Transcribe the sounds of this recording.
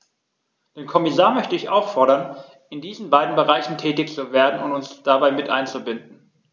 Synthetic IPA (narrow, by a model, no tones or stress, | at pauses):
d̥eːnkʰɔmɪsaːɐmœçtəɪçʔaʊfɔɐɾɐn | ɪndiːzn̩baɪdn̩bəʁ̞aɪçn̩tʰɛːtɪçt͡suveːɐdn̩ʊntʊnsd̥abaɪmɪtʔa̰ɪnt͡subɪndn̩